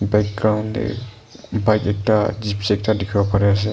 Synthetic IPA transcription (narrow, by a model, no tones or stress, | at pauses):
bɛk̚ɡɹawndɛ̰ | bajkɛk̚tad͡ʒipsɛk̚tadɛkʰibɔpaɹɛas̬ɛ